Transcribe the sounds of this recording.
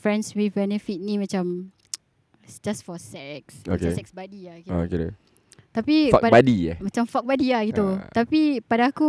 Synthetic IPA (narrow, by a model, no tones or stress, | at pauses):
fɹɛnswibɛnəfit̪̚nĩmãt͡ʃam | sd͡ʒasfɔsɛk̚so̰kesɛksbadiaɡiaoke | t̪apifapabadia̰mãt͡ʃamfɔk̚badiahɡiut̪apipadaːku